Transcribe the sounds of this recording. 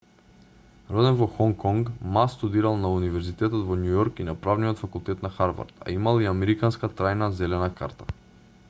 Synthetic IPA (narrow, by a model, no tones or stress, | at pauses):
ɾɔd̪ɛnvɔxɔŋkɔŋɡmast̪ud̪iɾalˠnaunivɛɾzit̪ɛt̪ɔt̪vɔnjujɔɾkinapɾavnijɔt̪fakulˠt̪ɛt̪naxaɾva̰ɾt̪a̰imalˠiamɛɾikanskat̪ɾajnazɛlɛnakaɾt̪ḁ